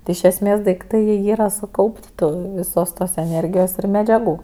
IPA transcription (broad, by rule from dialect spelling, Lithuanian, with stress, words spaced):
tʲɪ ɪʃ ɛsʲˈmʲeːs dɐɪkˈtɐɪ jiɛ ˈiːrɐ sʊˈkɐʊpʲtʲ ˈtʊ ʋʲɪˈsoːs toːs ɛˈnʲeːrʲɡʲɪjoːs ɪr mʲɛd͡ʒʲɛˈɡuː